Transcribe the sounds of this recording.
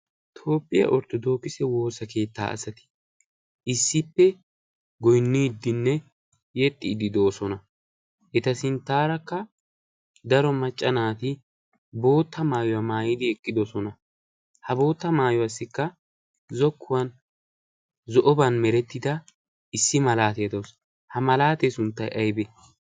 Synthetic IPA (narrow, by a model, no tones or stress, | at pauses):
t̪ʰo̞ːpʼːɪ̰jɐ̰ʔɔɾt̪ɔd̪o̞ːkːɪsɛwo̞ːsɐke̞ːt̪ːa̰ːɐ̰sɐt̪ɪ̥ | ʔɪsːɪpːɛ | ɡɔjnːiːd̪ːɪnːɛ | jɛt̪ʼːɪːd̪ɪd̪o̞ːsɔnɐ | ʔɛt̪ɐsɪnt̪ːaːɾɐkːɐ | d̪ɐɾɔmɐt͡ʃʼːɐnaːt̪ɪ | bo̞ːt̪ːɐmaːjɔwɐmaːjɪd̪ɪɛkʼːɪd̪ɔsɔnɐ | hɐbo̞ːt̪ːɐmaːjɔwɐsːɪkːɐ | zɔkːʊwɐn | zɔʔɔbɐnmɛɾɛt̪ːɪd̪ɐ | ɪsːɪmɐlaːt̪ejɐd̪os | hɐmɐlaːt̪esʊnt̪ːɐjʔɐjbɛ